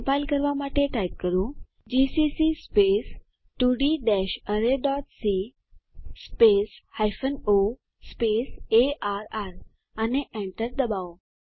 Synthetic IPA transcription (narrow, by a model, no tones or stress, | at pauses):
pajlkəɾʋamaʈeʈajp̚kəɾũ | d͡ʑisisispes | ʈuɖiɖɛɕəɾeɖɔʈsi | speshajfəno | speseʔaɾaɾ | aneʔɛ̃ɳʈəɾd̪əbao